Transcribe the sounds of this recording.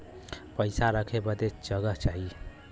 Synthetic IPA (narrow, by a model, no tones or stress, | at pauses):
pəɪsaɾəkʰebəd̪et͡ʃd͡ʒəɡəɦt͡ʃaɦi